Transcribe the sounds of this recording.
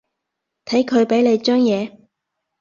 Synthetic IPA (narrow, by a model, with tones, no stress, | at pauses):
t̪ʰɐ˨˥jkʰɵ˨˧ɥpe˨˥jle˨˧jt͡ʃœː˥ŋjɛː˨˧